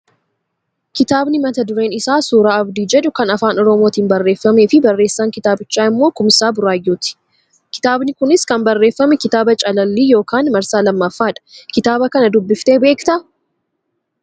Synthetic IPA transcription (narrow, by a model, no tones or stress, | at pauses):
kɪt̪aːbnɪmɐt̪ɐd̪ʊɾe̞ːnɪsaːsuːɾaːɐbd̪iːd͡ʒɛᶑʊkɐnɐfaːnɔɾɔmoːt̪iːnbɐrːe̞ːfːɐme̞ːfɪbɐrːe̞ːsːaːŋkɪt̪aːbɪt͡ʃːaːɪmːoːkʊmɪsaːbʊɾaːjːuːt̪ɪ̥ | kɪ̥t̪aːbnɪkʊnɪskɐmbɐrːe̞ːfːɐmɛkɪt̪aːbɐt͡ʃʼɐlɐlːiːjo̞ːkaːnmɐɾsaːlɐmːɐfːaːᶑɐ̥kɪt̪aːbɐkɐnɐd̪ʊbːɪft̪e̞ːbe̞ːkt̪ɐ